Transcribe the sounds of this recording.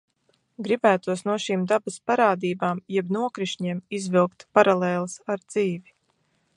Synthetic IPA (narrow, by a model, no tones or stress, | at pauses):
ɡɾibæːt̪uɔsnuɔʃiːmd̪abaspaɾaːd̪iːbaːmjɛbnuɔkɾiʃɲiɛmizvilˠkt̪paɾaleːlˠsaɾd̪z̥iːvi